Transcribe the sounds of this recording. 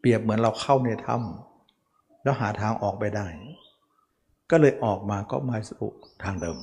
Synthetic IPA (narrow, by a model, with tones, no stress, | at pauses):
pi˨˩əp̚mɯ˩˦ənɾa˧wkʰa˥˩wneː˧˩t̪ʰa̰˧˥˩m | lɛː˦˥˩wɦaː˩˦t̪ʰaː˧ŋʔɔː˨˩k̚pa˧jda˥˩j | kɔː˥˩lɤː˧jʔɔː˨˩k̚maː˧kɔ̰˧˥˩maː˧˩sʔṵ˧˩t̪ʰaː˧ŋdɤː˧m